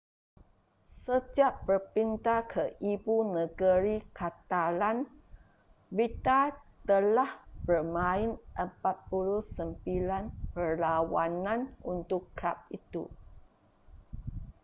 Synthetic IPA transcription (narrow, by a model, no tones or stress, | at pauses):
səd͡ʒaʔbərpint̪akʰəʔibunəɡəɾikat̪alan | bit̪at̪əlahbərmãɪnʔəmpat̪̚puluhsəmbilanpərlawanãnṵnt̪ʊkːɾap̚it̪ṵ